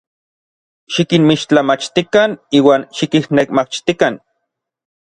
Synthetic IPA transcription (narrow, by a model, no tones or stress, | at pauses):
ʃikinmiʃt͡ɬamat͡ʃt̪ikaniːwaːnʃikihnekmat͡ʃt̪ikan